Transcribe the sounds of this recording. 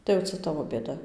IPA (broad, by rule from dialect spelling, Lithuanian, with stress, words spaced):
tɐɪ jɛʊ ˈt͡sɐ ˈtɑːʋoː bʲeːˈdɐ